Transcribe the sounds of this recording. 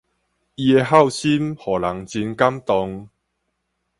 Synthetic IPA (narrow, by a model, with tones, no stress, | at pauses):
i˧e˧ɦa˥˨wɕi˦mhɔ˨˩la˨˦ŋt͡ɕi˧nka˦mt̪ɔ˧ŋ